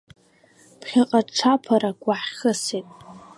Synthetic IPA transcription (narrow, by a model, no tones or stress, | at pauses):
pʰχʲaqʼaʈ͡ʂʰapʰaɾaɡʷʼaħχəsetʼ